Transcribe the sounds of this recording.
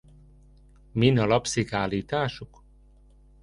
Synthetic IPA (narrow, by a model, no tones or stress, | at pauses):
minɒlɒpsikaːliːt̪aːʃuk